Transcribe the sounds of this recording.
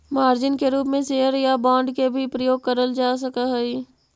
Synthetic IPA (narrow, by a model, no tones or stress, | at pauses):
maːɾd͡ʒɪnkeɾuːp̬mẽseːəɾjabãːɳɖkebʱipɾəjoːɡ̚kəɾəld͡ʒaːs̬əkaɦɛi